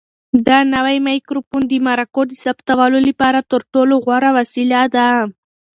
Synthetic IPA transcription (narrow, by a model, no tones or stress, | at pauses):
d̪anawajmajkɾopund̪əmaɾakod̪əsabt̪awalolipɑɾat̪əɾʈoloɣwaɾawasilad̪a